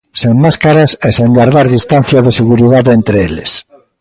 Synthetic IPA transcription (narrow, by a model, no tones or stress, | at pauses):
seŋmaskaɾaseseŋɡaɾðaɾðist̪an̟θjaðeseɣuɾiðaðent̪ɾeelḛs